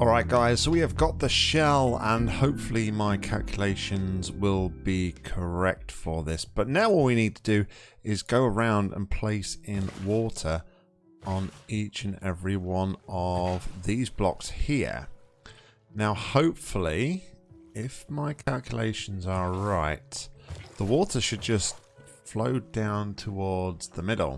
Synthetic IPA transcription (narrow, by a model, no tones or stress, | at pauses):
ɔlˠɹaɪʔ̚ɡ̥aɪz̥soʊwiɨvɡɒt̪̚ðəʃɛlˠə̃nhoʊpfəl̩ˠimaɪkʰa̰lˠkʰjəleɪʃə̃nzwɪlˠbikʰə˞ɛk̚tfə˞ðɪsb̥ʌtⁿnaʊwɔlˠwinid̚tʰədɨɪzɡoʊəɹãʊ̃ndə̰̃npʰl̥eɪsɪ̃nwɔˑtʰə˞ | ə̃nit͡ʃɨ̃nɛvɹiwʌ̃nʌvðizblɑ̰kshiɹ | naʊhoʊpfəl̩ˠi | ɪfmaɪkʰælˠkʰjə̰lḛɪʃn̩zə˞ɹaɪt̪̚ðəwɔɾə˞ʃɨd̚d͡ʒʌst | floʊdãʊ̃ntʰəwɔɹdz̥ðəmɪɾl̩ˠ